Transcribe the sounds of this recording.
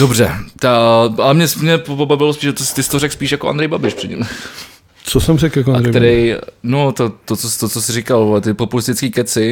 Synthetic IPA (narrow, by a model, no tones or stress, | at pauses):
d̥obr̝ɛ̰t̪aʔalɛmɲɛsmɲɛpobobavɪlospiːʃt̪ost̪ɪst̪oɾɛkspiːʃjakoa̰nd̪ɾɛjbabɪʃpr̥ɛdɲḭm | t͡sosɛmrɛkjakoandɾkɛjt̪ɛɾɛjnot̪ot̪ot͡sost̪ot͡sosɪrɪkalt̪ɪpopulɪst̪ɪt͡skiːkɛt͡sɪ